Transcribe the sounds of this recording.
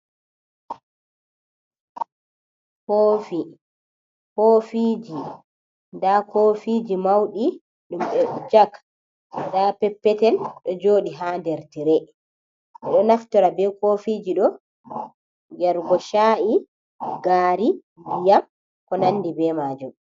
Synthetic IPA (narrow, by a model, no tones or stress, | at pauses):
hoːfi | koːfiːd͡ʒi | ndakofid͡ʒimawɗi | ɗumɓɛd͡ʒak | ndapɛpːɛtɛnɗɔd͡ʒoːɗiɦandɛɾtiɾɛ | ʔɛɗɔnaftɔɾabɛkofid͡ʒiɗɔ | jɛɾɡɔʃaːʔi | ɡaːɾi | bijam | kɔnanːdibɛmaːd͡ʒum